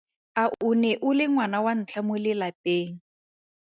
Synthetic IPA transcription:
aʔʊnɛʔʊlɪŋwanawan̩t͡ɬʰamʊlɪlapeːŋ̩

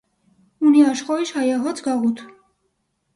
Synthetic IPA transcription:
uniɑʃχɔiʃhɑjɑɦɔt͡sʰɡɑʁut̪ʰ

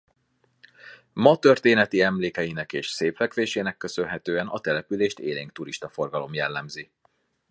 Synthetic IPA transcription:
mɒt̪ø̞rt̪eːnɛt̪iɛmleːkɛjinɛkeːʃseːplɛkʋeːʃeːnɛkːø̞sø̞nɦɛt̪øːɛnɒt̪ɛlɛpyleːʃt̪ḛːleːŋk̚t̪uɾiʃt̪ɒfo̞rɡɒlo̞mjɛlːɛmzi

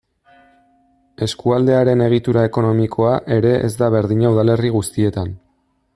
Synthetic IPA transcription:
e̞skuald̪e̞aɾe̞ne̞ɣ̞it̪uɾae̞ko̞no̞mikʰo̞aʔe̞ɾe̞ʔezd̪aβ̞e̞ɾðiɲauðale̞riɣ̞ust̪ie̞t̪an

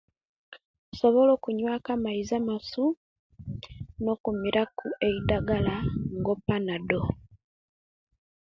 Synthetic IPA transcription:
so̞βo̞lo̞ːkuɲwaːkamaizamasu | no̞kumiɾʔakuʔe̞idaɡalaŋɡo̞pːanado

